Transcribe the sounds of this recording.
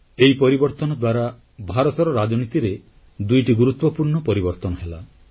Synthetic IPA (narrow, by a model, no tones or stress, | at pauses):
eɦipɔɾibɔɾt̪ɔnɔd̪waɾa | bʱaɾɔt̪ɔɾɔɾad͡ʒɔnit̪iɾe | d̪ujʈiɡuɾut̪wɔpuɾɳɔpɔɾibɔɾt̪ɔnɔɦela